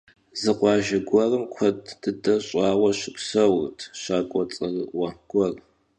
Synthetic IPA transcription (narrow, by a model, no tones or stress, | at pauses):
zɨqʷɑːʒɐɡʷɐrɨmkʷʰɐd̥ːɨdɐɕʼɑːwɐʃɪpsɐwrtʰɕaːkʷʼɔt͡sʼɐrɨʔʔʷɐɡ̥ʷɔr